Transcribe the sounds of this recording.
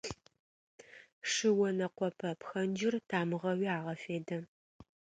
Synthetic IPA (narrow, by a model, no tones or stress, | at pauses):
ʂɨwɔnɐqʷɔpʰɐpxɐnd͡ʒɪrtʰaːmɨʁɐwiːaːʁɐfeːdɐ